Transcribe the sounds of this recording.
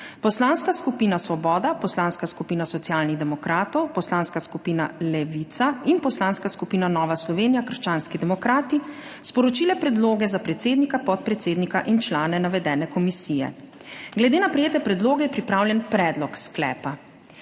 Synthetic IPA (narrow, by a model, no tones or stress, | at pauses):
pɔslanskaskupiːnasʋɔbɔːd̪apɔslaːnskaskupiːnasɔt̪sjaːlniɣd̪ɛmɔkɾaːt̪ɔwpɔslaːnskaskupiːna̰lɛʋit̪sainpɔslanskaskupiːnanɔːʋaslɔʋeːnijakəɾʃt͡ʃaːnskid̪ɛmɔkɾaːt̪i | spɔɾɔt͡ʃiːlɛpɾɛd̪loːɡɛzapɾɛt̪seːd̪nikapɔt̪̚pɾɛt̪seːd̪nikaʔint͡ʃlaːnɛnaʋɛd̪ɛːnɛkɔmisijɛ̰ | ɡlɛd̪eːnapɾɛjeːt̪ɛpɾɛd̪loːɡɛjɛpɾipɾaːwlʲjɛnpɾɛːd̪lɔksklɛ̰ːpa